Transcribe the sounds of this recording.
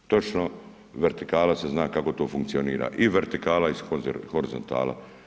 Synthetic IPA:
t̪o̞t͡ʃno | ʋe̞ɾt̪ikaːlase̞znaːkako̞t̪o̞ːfuŋkt̪sioniːɾa̰ʔiʋeɾt̪ikaːlaisohoɾizo̞̰nt̪a̰ːla̰

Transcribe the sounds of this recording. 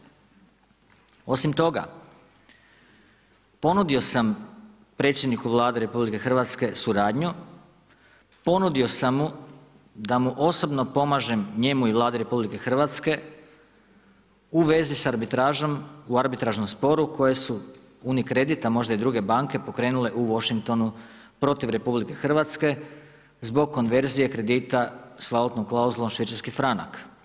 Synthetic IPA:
o̞simt̪o̞ɡa̰ | po̞nud̪io̞sam | pɾe̞t̪sʲje̞d̪nikuʋlˠaːd̪eɾe̞publike̞xr̩ʋat̪ske̞suɾaːd̪ɲu | po̞nud̪io̞samːu | d̪amuʔo̞so̞bno̞po̞maʒe̞mɲe̞muiʋlˠaːd̪eɾe̞publike̞xr̩ʋat̪ske̞ | uʋe̞zisaɾbit̪ɾaːʒo̞muaɾbit̪ɾaʒno̞mspo̞ɾuko̞je̞su | unikɾe̞d̪it̪amo̞ʒd̪aid̪ɾuːɡe̞baŋke̞po̞kɾe̞ːnule̞ʔuʋo̞ʃiŋk̚t̪o̞nu | pɾo̞t̪iʋɾe̞publike̞xr̩ʋat̪ske̞ | zbo̞ɡ̚kːo̞nʋe̞ɾzije̞kɾe̞d̪iːt̪asʋalot̪noklˠauzulˠomʃʋit͡ʃ̪aɾskifɾana̰k

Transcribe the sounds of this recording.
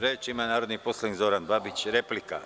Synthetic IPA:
ɾeːt͡ʃimanaːɾod̪niposlˠanikzoɾanbabit͡ɕɾeplika̰

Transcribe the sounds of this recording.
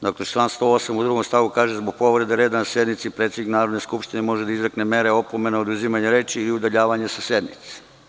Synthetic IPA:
d̪oklet͡ʃlanst̪o̞osamud̪ɾuɡomst̪aʋukaːʒezboɡ̚po̞ʋɾe̞d̪eɾeːd̪anasje̞d̪nit̪sipɾet̪sʲed̪iknaːɾo̞d̪neskupʃt̪inemo̞ʒed̪aizɾakne̞me̞ɾe̞o̞pome̞naod̪uzimaɲeɾe̞ːt͡ʃiːliud̪aʎaːʋaɲesasje̞d̪nḭt̪si̥

